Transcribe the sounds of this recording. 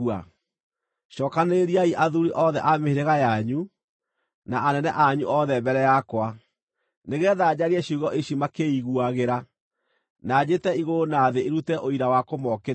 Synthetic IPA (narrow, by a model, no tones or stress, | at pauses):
a | ɕɔːkaneɾiaiʔaðuɾiʔɔðɛ̰ʔameheɾeɣajaɲu | naanɛnɛʔaɲṵʔɔðɛmbɛɾɛjakwa | neɣɛðad͡ʑaɾiɛɕuɣɔʔeɕimakeiɣuaɣeɾa | nad͡ʑetɛiɣonaðeeɾutɛʔoiɾawakomɔke